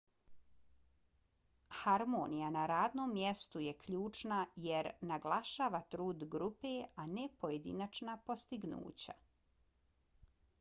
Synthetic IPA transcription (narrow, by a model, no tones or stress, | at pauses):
haɾmoːnijanaɾaːd̪noːmːjest̪ujekʎuːt͡ʃnajeɾnaɡlˠaʃaːʋat̪ɾuːd̪ɡɾupeanepo̞jed̪ḭnat͡ʃnapo̞st̪iɡnṵːt͡ɕa̰